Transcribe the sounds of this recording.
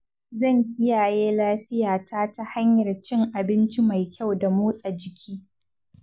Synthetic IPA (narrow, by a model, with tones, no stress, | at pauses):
zɐ˦˨ŋkʲɪ˦jaː˨jeː˦laː˦ɸɪ˦jaː˨tʰaː˦ta˦ha˦ɲjɐ˨rt͡ʃɪ˦ŋʔa˨bɪ˦nt͡ʃi˦ma˨jkʲa˦˨wda˨moː˦sʼa˨d͡ʒɪ˨kʲʰiː˦